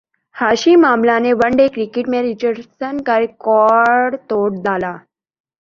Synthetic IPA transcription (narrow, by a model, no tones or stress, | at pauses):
haɕimamlaneʋəɳɖekɾikeʈmeɾit͡ɕəɾsənkaɾekɔɖt̪oɽd̪ala